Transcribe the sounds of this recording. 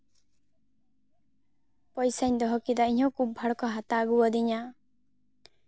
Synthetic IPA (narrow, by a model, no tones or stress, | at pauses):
pɔjsajɲd̪ɔɦɔkid̪aiɲɦɔ̃kubbʱaɽɔkɔɦat̪aːɡuwɔd̪iɲa